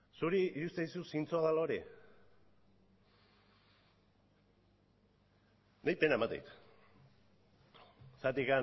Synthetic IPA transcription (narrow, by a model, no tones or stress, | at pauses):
suɾiiɾust̪eisusint͡soaðaloɾi | najpenaemat̪ḛjt̪ | sat̪ika